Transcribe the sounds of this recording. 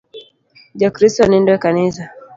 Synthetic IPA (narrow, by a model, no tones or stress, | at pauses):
ʄɔkɾistɔnindɔɛkanisa